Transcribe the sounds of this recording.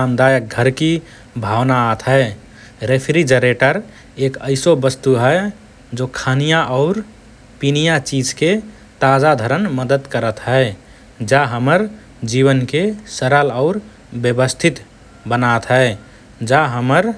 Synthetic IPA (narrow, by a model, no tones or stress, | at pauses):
amd̪ajək̚ɡʱəɾki | bʱawnaːt̪ɦəɪ | ɾepʰɾid͡ʒəɾeʈəɾ | ekəɪsobəst̪uɦɛe | d͡ʒokʰanijaʔɔʊɾ | pinijat͡ʃid͡ʒke | t̪ad͡ʒad̪ʱəɾənməd̪əd̪kəɾət̪ɦəe | d͡ʒaɦəməɾ | d͡ʒiβənkesəɾəlɔʊɾ | bjəbəst̪ʰit̪ | bənat̪ɦəe | d͡ʒaɦəməɾ